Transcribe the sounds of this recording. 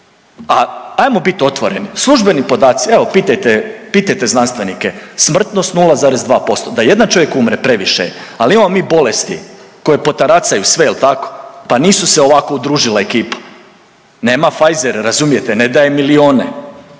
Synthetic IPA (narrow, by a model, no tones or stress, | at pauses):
aajmobit̪o̞t̪ʋoɾe̞nislˠuʒbe̞nipo̞d̪aːt̪sieʋopiːt̪ajt̪epiːt̪ajt̪eznanst̪ʋe̞nikesmr̩t̪no̞st̪nuːlˠazaːɾezd̪ʋaːpo̞st̪o̞d̪aje̞d̪ant͡ʃo̞ʋje̞kumɾepɾe̞ʋiʃḛalimamomiːbo̞lest̪ḭko̞jepo̞t̪aɾat̪sajusʋeilt̪ako̥paniːsuseo̞ʋako̞ud̪ɾuːʒilaekiːpḁ | ne̞ːmafajzeɾɾazumije̞t̪ened̪ajemilio̞ːne